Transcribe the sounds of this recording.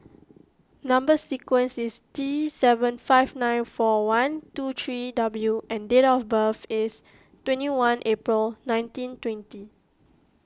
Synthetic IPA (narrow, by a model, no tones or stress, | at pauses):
nãmbəsikwə̃nsistɹisɛvə̃nfaɪvnãɪ̃nfɔwãntutʰɹidabəljuɛ̃ndetɔfbəfis | twɛ̃ntiwãnʔepɹilnãj̃ntĩntwɛ̃nti